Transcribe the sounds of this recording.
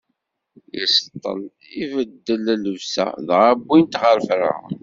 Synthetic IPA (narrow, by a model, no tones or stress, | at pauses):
jəst̪ˤːə̰l | ivəd̪ːəlæləvsæ̰ðʁabːint̪ʁəɾfɾa̰